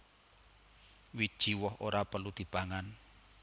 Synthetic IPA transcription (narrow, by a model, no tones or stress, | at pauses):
wid̥ʒ̥i̤wɔɦoɾapəlud̪̥i̤paŋan